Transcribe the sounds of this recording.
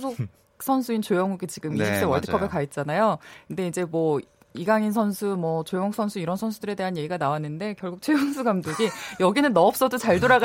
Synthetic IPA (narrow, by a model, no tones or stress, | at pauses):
sʰok | sʰʌnsʰuint͡ɕojʌŋuɡit͡ɕiɡɯmiɕʰiks͈ʰewʌɭdʰɯkʰʌbekait̚t͡ɕ͈anajokɯnde̞id͡ʑe̞mwʌ | iɡaŋins̬ʰʌnsʰumwʌt͡ɕojʌŋsʰʌnsʰuiɾʌnsʰʌnsʰudɯɾe̞de̞ɦanje̞ɡiɡanawanːɯnde̞kjʌɭɡuk̚t͡ɕʰwejʌŋsʰuɡamdoɡijʌɡinɯnːʌːp̚s͈ʌdot͡ɕaɭdoɾaɡ